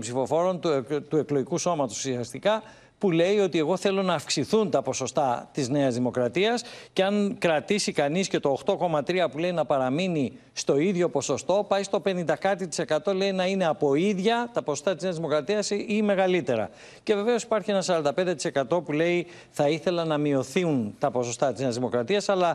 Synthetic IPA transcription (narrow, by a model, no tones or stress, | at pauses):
mpsifo̞fo̞ɾo̞nt̪ut̪ue̞kloʝikuso̞mɐt̪o̞ssiɐst̪ikɐ | pule̞io̞t̪ie̞ɣo̞θe̞lo̞nɐːfksiθunt̪ɐpo̞so̞st̪ɐt̪izne̞ɐzðimo̞kɾɐt̪iɐsce̞ɐŋkɾɐt̪isikɐnisce̞t̪o̞ːxt̪o̞ko̞mɐt̪ɾiɐpule̞inɐpɐɾɐmini | st̪o̞iðʝo̞po̞so̞st̪o̞pɐjst̪o̞pe̞nind̪ɐkɐt̪it̪i̥se̞kɐt̪o̞le̞inɐine̞ɐpo̞iðʝɐt̪ɐposst̪ɐt̪izneɐzðimo̞kɾɐt̪iɐsime̞ɣɐlit̪e̞ɾɐ̰ | ce̞ve̞ve̞o̞si̥pɐɾçie̞nɐsɐɾɐnd̪ɐped̪et̪i̥se̞kɐt̪o̞pule̞i | θɐiθe̞lɐnɐmio̞θiunt̪ɐpo̞so̞st̪ɐt̪izneɐzðimo̞kɾɐt̪iɐsɐlɐ